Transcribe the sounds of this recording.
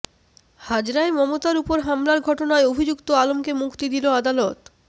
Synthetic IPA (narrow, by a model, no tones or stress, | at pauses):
had͡ʑɾaemɔmot̪aɾupoɾɦamlaɾɡʱɔʈonaeobʱid͡ʑukt̪oalomkemukt̪id̪iload̪alɔt̪